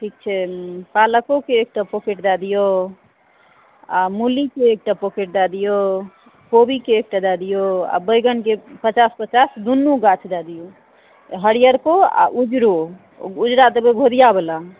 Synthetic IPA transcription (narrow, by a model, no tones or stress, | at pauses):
ʈʰik̚t͡ʃʰɛpaləkokeːk̚ʈapokeʈd̪ad̪ijo | amulikeːk̚ʈapokeʈ̚d̪ad̪ijo | kobikeːk̚ʈad̪ad̪ijoa̰bəjɡənkepət͡ʃaspət͡ʃasd̪unːuɡat͡ʃʰd̪ad̪ijo | ɦəɽijəɾkoa̰ʔud͡ʒɾo | ud͡ʒɾat̪əbeɡʱod̪ijabela